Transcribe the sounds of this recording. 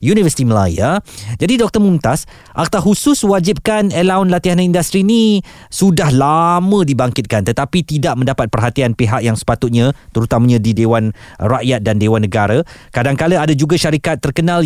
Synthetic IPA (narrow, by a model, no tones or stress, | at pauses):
junivəsi̥t̪iməla̰jad͡ʒadidɔk̚t̪ərmunt̪as | ʔak̚t̪aɦusʊswad͡ʒip̚kanəlaʊnlat̪iɦanaindast̪ɾini | sudahlamə̃dibaŋkɪt̪̚kant̪ət̪apit̪idaʔ̚mə̃ndapat̪̚pərɦat̪ianpiɦakjaŋsə̥pat̪ʊt̪̚ɲãt̪əɾut̪amãɲãdidewanraʔjat̪̚dandewanːəɡaɾakadaŋkaləadad͡ʒuɡaʃaɾikat̪ːərkənãl